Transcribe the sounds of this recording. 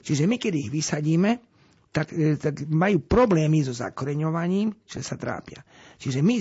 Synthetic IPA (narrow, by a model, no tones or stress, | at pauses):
t͡ʃiʒɛmikɛd̪iiɣʋisaɟiːmɛ | t̪akt̪aɡmajuːpɾɔblɛːmizɔza̰kɔɾɛɲɔʋaɲiːmt͡ʃiʒɛsat̪ɾa̰ːpɪa̰t͡ʃiʒɛmi